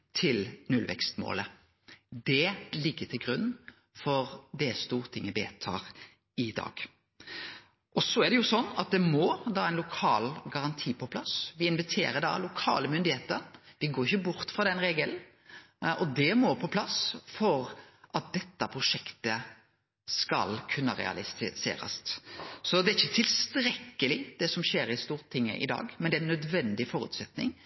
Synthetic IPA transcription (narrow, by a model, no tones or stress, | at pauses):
t̪ʰɪlnʉlʋɛ̰kst̪mo̰ːlə | d̪ɛlɪɡːət̪ʰɪlɡɾʉnː | fɔɾd̪ɛst̪uːɾt̪ʰɪŋːəbeːt̪ʰɑ̰ːɾ | ɪd̪ɑ̰ːɡ̥ | ʔɔsɔæɖ̪ɛjʊsɔnːɑ̰t̪̚d̪ɛmɔd̪ɑːæɪnlʊkʰɑːlɡɑɾɑnt̪ʰiːpʰɔpʰlɑsʋɪɪnʋɪt̪ʰḛːɾəd̪ɑ̰lʊkʰɑ̰ːləmʏnd̪ɪheːt̪ənʋɪɡoːɾɪçəbʊɾt̪fʁɑd̪ɛnɾeːɡəln | ʔɔd̪ɛmɔpʰɔpʰlɑsfɔɾʔɑt̪̚d̪ɛt̪ːəpʰɾʊʂɛkt̪ə | skɑ̰lkʰʉnːəɾɛ̰ɑ̰lɪsḛːɾə̰st̪sɔd̪ɛɾɪçːət̪ʰɪlst̪ɾɛkːəlɪd̪̥ɛsɔmɕeːɾɪst̪uːɾt̪ʰɪŋːə̰ʔɪ̰d̪ɑ̰ːɡmɛnd̪ɛæɛnːœd̪ʋɛnd̪ɪfɔɾʉ̰ːt̪sɛt̪nɪ̰ŋ